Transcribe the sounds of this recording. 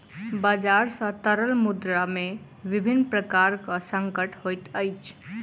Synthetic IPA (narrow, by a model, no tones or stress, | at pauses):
bad͡ʒaɾsə̃t̪əɾəlmud̪ɾame | ʋibʱinːpɾəkaɾkə̃səŋkəʈʰɦojt̪əjt͡ʃʰ